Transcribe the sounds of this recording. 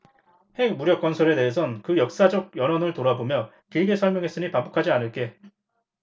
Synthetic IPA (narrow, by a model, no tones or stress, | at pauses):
he̞ɡ̚muɾjʌk͈̚ʌnsʰʌɾe̞de̞ɦes̬ʰʌnkɯjʌk̚s͈ad͡ʑʌɡ̚jʌnɦʌnɯɭtoɾabomjʌ | kiɭɡe̞sʰʌɭmjʌŋɦe̞s͈ɯɲipambukʰad͡ʑianɯɭk͈e̞